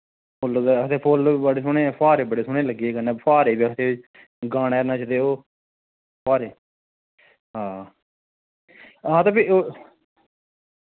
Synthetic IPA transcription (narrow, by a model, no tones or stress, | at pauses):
pʰʊloːd̪at̪ʰeːpʰoləɽeːs̬ʊɳẽːpʰaːɾeːbəɽeːsʊɳẽːləɡieːkənẽːpʰaːɾeːbiːət̪ʰeː | ɡaːɽeːnaːt͡ʃəd̪eːoː | pʰaːɾeː | ɦãː | ɦãːt̪ãːpʰioː